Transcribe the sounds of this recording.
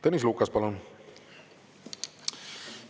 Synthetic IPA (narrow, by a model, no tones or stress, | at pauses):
t̪enisluːkːɑspɑlun